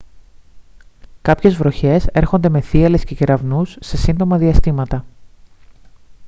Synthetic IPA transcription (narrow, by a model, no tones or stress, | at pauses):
kɐpçe̞zvɾo̞çe̞se̞ɾxo̞nd̪e̞me̞θiɐle̞sce̞ceɾɐvnusːe̞sind̪o̞mɐðiɐst̪imɐt̪ɐ